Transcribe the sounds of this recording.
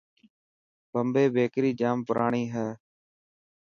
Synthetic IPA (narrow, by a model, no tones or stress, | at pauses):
bəmbeːbeːkɾiːd͡ʒaːmpəɾʔaːɳiːɦɛː